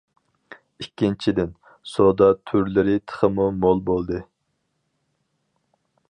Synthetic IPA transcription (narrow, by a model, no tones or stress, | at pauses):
ikʲːint͡ʃʰid̪ɪn | sod̪ɑt̪ʰyɾlɪɾɪt̪ʰə̥χəmumolˠbolˠd̪ɨ